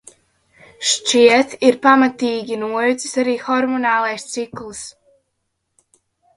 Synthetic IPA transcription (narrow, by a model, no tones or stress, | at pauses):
ʃt͡ʃiɛt̪iɾpamat̪iːɡʲinuɔjut̪si̥saɾiːxɔɾmɔnaːlˠɛjst̪siklˠs